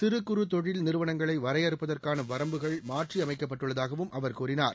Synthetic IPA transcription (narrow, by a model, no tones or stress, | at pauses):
t̪ɪɾɯkːɯɾɯt̪ɔɻɪlnɪɾɯʋɐnɐŋɡɐɭɐɪʋɐɾɐɪjɐɾɯpːɐðɐrkaːnɐʋɐɾɐmbɯɣɐɭmaːʈriɐmɐɪkːɐp̬ːɐʈːɯɭːɐðaːɣɐʋɯmʔɐʋɐɾkuːɾɪnaːɾ